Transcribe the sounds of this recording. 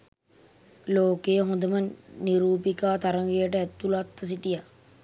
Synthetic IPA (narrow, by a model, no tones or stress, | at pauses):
loːkejəɦõnd̪əməniɾuːpikaːt̪aɾəŋɡejəʈəæt̪ːulat̪ːɐs̬iʈija